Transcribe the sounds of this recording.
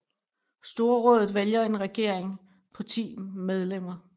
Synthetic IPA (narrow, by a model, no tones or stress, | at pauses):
sd̥o̝ɐʁɔ̽ːðˠð̩ˠʋeljɐe̝nʁɛɡ̥e̝ɐ̰eŋ | pʰɒ̽t͡sʰḭːmeð̞ˠlem̰ɐ